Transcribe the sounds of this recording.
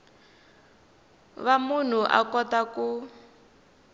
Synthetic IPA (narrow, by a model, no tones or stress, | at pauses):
βamun̤uʔa̰kɔtaku